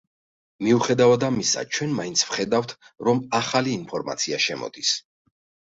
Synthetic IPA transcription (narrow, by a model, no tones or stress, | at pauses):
miuχɛd̪avad̪amisa̰t͡ʃʰwɛnmaint̪sʰvχɛd̪aft̪ʰɾɔmaχaliːnpʰɔɾma̰t̪sʰiaʃɛmɔ̰d̪is